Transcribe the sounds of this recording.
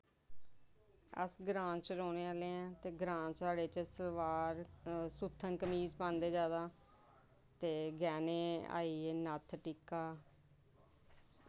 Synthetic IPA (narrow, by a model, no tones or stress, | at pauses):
ə̰sɡɾãːt͡ʃɾoːneːaːleːɛ̃ːt̪eːɡɾãːt͡ʃaːɽeːt͡ʃəsəlʋaːɾsuːt̪ʰːənkəmiːzpãːnd̪eːd͡ʒaːd̪aː | t̪eːɡɛːneːa̰ːiːeːnət̪ʰʈikaː